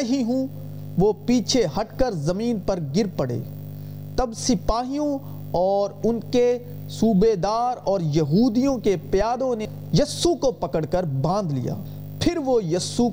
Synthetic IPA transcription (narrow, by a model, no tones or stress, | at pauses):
ɦiɦũ | ʋopiːt͡ʃʰeɦɐʈkəɾzɐmiːnpɐɾɡɪɾpɐɽḛː | t̪ɐbsɪpaːɦijõ | ɔːɾʊnke | suːbed̪aːɾɔːɾjɐɦuːd̪ijõkepjaːd̪õne | jɐsːukopɐkəɽkəɾbãːnd̪lḭja̰ː | pʰɪɾʋojɐsu